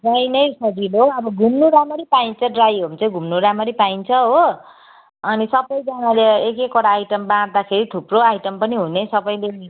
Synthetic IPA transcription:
rajnʌjsʌdiloʌbʌɡʱumnuɾamʌɾipaint͡sʰʌɖrajɦomt͡saĩɡʱumnuɾamʌɾipaint͡sʰʌɦo | ʌnisʌbʌjd͡zʌnaleekekoɽaːjʈʌmbãd̪akʰeɾit̪ʰuproajʈʌmpʌniɦunesʌbʌjlei

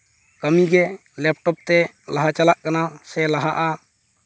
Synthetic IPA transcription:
kamiɡɛ | lɛp̚ʈɔp̚t̪ɛ | laɦat͡ʃalaʔkanasɛlaɦaʔa

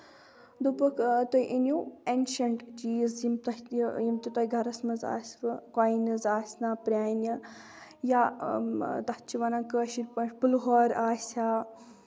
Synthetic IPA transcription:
d̪upɨkʰt̪oiʔinʲjuenʃɐɳʈt͡ʃiːzjimt̪ɐjimt̪ut̪oiɡʱɐɾɐsmɐza̰ːsʲʋɨkaːinɐzaːsʲnaːpɾʲaːnɐ | jaː | t̪ɐt͡ʃiʋɐnakəːʃiɾpɐnʃpɨlɦoːɾaːsʲaː

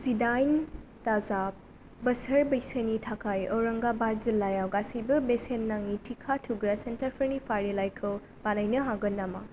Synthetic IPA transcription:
zidajntazap̚ | bɐsɐɾbɐjsənitʰakʰajɔwɾɐŋɡabaɾzilːajawɡasibɐbesenːaŋitʰikʰatʰuɡɾasentɐɾpʰɐɾnipʰaɾilajkʰɯw | banajnɐɦaɡɯnːama̰

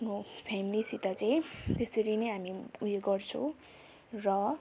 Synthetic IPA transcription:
nopʰamilisit̪at͡saĩt̪esʌɾinʌjɦamiujeɡʌrt͡sʰʌ̃w̃ | rʌ

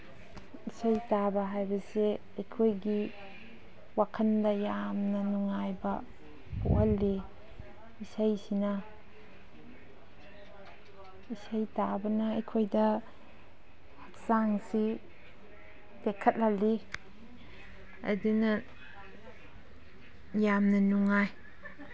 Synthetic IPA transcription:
isajtabɐɦajbɐse | ɐjkʰojɡi | wakʰɐndɐjamnɐnuŋajbɐ | po̰hɐlːi | isajsinɐ | isajtabɐnɐɐjkʰojdɐ | hɐk̚saŋsi | tekʰɐt̚lɐli | ɐ̰dunɐ | jamnɐnuŋaj

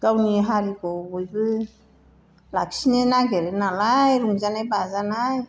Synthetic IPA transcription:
ɡawniɦaɾiɡɔbɔjbɯ | laksinajnaɡeɾɯnalajɾuŋzanajbazanaj

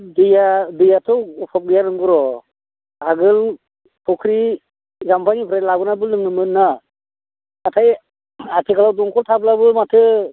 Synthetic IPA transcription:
dijadɯjatʰɯwupʰap̚ɡɯjaɾɯŋɡɯɾɔ | aɡɯl | pʰɔkʰɾi | zampʰaŋipʰɾalabɯnabɯlɯŋnɯmɯnːa | tʰaj | atʰikʰalawduŋkʰɔltʰab̚labɯmatʰɯ

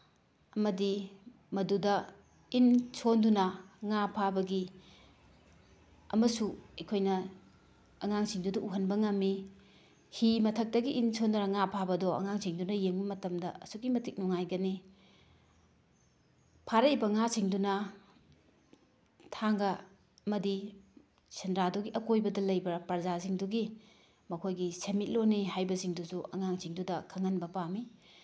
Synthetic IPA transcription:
ɐmɐdi | mɐdudɐ | insʰondunɐŋapʰabɐɡi | ɐ̰mɐsuɐjkʰojnɐ | ɐŋaŋsiŋdudɐʔuɦɐnbɐŋɐmːi | himɐtʰɐk̚tɐɡiʔinsʰondunɐŋapʰabɐdɔɐ̰ŋaŋsiŋdunɐjeŋbɐmɐtɐmdɐɐsuɡimɐtʰik̚nuŋajɡɐni | pʰaɾɐibɐŋasiŋdunɐ | tʰaŋɡɐ | mɐdi | senɾaduɡiʔɐkojbɐdɐlɐjbɐpɐɾzaziŋduɡi | mɐkʰojɡisemit̚loniɦajbɐsiŋdusuʔɐ̰ŋaŋsʰiŋdudɐkʰɐŋɐnbɐpami

